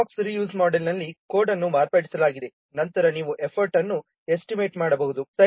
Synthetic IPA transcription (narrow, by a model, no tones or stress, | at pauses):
ksɾijuːsmaːɖelnɐlːikoːɾɖɐnːumaːɾpaːʈi̥sɐlaːɡid̪e | nɐnt̪ɐɾɐniːʋuʔe̞pʰɐɾʈɐnːu | esʈime̞ːʈmaːɽɐbɐɦud̪usɐ